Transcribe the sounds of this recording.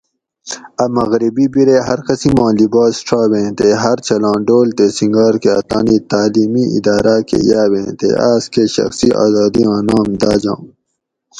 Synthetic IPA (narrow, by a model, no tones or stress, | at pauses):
ɐmɐɣɾibiːbiɾeːɦɐɾkɐsĩmãːlibaːsʈ͡ʂʰaːwẽːt̪eːɦɐɾt͡ɕɐlãːɖoːlt̪eːsĩŋɡaːɾkeɐ̰t̪a̰ːniːt̪aːliːmiḭd̪aːɾaːkḛjaːwẽːt̪ḛaːskeːɕɐ̰xsiʔa̰ːzaːd̪iãːnãːmd̪aːd͡ʑãː